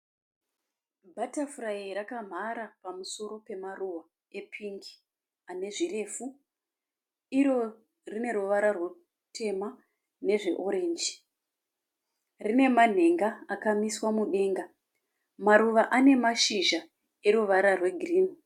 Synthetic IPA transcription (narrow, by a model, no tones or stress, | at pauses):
bʱatafuraiɾakam̤aɾapamuso̞ɾo̞pe̞maruwa | e̞pʰiŋɡi̥ | ane̞ʐire̞ːfu | iɾo̞ | rine̞ɾuʋaɾarwe | tʰe̞ma | ne̞ʐe̞ʔo̞ɾe̞ːnd͡ʒi̥ | rine̞man̤e̞ŋɡaakamiswamuɗe̞ːŋɡa | maɾuʋaʔane̞maʃiʒa | e̞ruʋaɾarwe̞ɡʱiriːni